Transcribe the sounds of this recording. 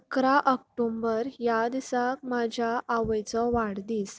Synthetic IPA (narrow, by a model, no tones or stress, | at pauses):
əkɾaʔək̚ʈombəɾjad̪isak̚mad͡ʑʱjaʔːʋəjt͡sɔʋaɽd̪iːs